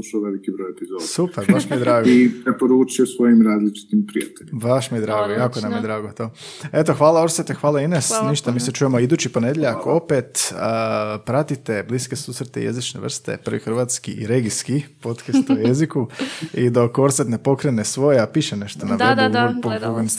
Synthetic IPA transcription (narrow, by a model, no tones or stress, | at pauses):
uʃuʋelikibɾojepizoːd̪supeɾbaʃmijd̪ɾaːɡoipɾepoɾuːt͡ʃijosʋo̞jimɾaːzlit͡ʃi̥t̪impɾijat̪eʎibaʃmijed̪ɾaːɡojaːkonamjed̪ɾaːɡot̪oːe̞t̪o̞xʋaːlˠaoɾset̪exʋaːlˠainesniʃt̪amiːset͡ʃuːje̞moid̪uːt͡ʃipo̞ne̞d̪jeʎeakoopet̪əpɾat̪it̪e̞bliskesusɾet̪ḛjḛzit͡ʃne̞ʋr̩st̪ḛpər̩ɾʋixr̩ʋat̪skiʔḭɾe̞ɡiskipo̞t̪kest̪ujezikuid̪okːoɾt̪set̪nepo̞kɾenesʋo̞jeapiːʃene̞ʃt̪onaeɡpouɡon